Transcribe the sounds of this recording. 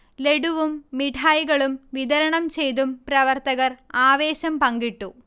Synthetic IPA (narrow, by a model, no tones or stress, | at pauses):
le̞ɽuʋumːiʈʰaːjɣɐɭumʋid̪ɐɾɐɳɐmt͡ɕe̞jt̪umpɾɐʋɐrt̪ɐɣɐraːʋe̞ːɕɐmpɐŋɡiʈːu